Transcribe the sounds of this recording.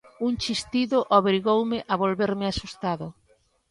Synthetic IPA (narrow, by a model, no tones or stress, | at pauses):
uŋt͡ʃist̪iðʊʔoβɾiɣowmɪʔaβolβeɾmɪasust̪aðʊ